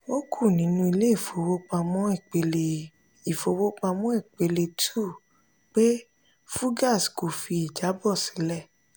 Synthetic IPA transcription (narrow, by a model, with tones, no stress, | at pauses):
o˦kʰu˦˨nĩ˨˦nũ˧i˧le˦i˦˨fo˧wo˦k͡pa˧mɔ̃˦i˦˨k͡pe˧le˧ | i˦˨fo˧wo˦k͡pa˧mɔ̃˨˦i˦˨k͡pe˧le˧tʰu˦˨ | k͡pe˦ | fu˦ɡa˦˨sko˨fi˧i˨d͡ʒa˨˦bɔ˦˨si˨˦lɛ˦˨